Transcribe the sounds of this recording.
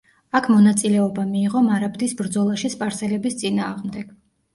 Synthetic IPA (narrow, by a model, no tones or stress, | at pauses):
akʰmɔnat̪sʼilɛɔbamiːʁɔmaɾabd̪isbɾd̪zɔlˠaʃispʼaɾsɛlɛbist̪sʼinaːʁmd̪ɛɡ̥